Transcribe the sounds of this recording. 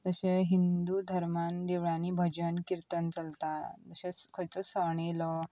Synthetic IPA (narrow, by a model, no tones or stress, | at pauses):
t̪əɕeɦind̪ud̪ʱəɾmand̪eʋɭãnibʱəd͡ʑənkiɾt̪ənt͡səlt̪at̪əɕẽskʰət͡səsəɳ̃ilə